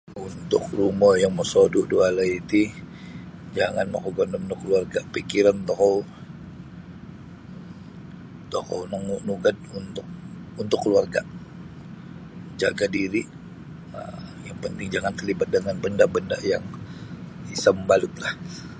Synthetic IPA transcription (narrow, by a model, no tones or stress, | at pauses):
unt̪ʊk̚ruməjaŋmɔsoduʔdualait̪i | d͡ʒaŋa̰nma̰koɡɔndɔmnʊkːəluarɡapikiɾant̪ɔkɔw | t̪ɔkɔ̰wnəŋuʔnuɡad̚unt̪ʊk̚unt̪ʊkːəluarɡaʔ | d͡ʒaɡadiɾi | ə̰jaŋpənt̪ɪŋd͡ʒaŋant̪ərlibat̪̚dəŋanbəndabənda̰jaŋ | isəmbalʊt̪lah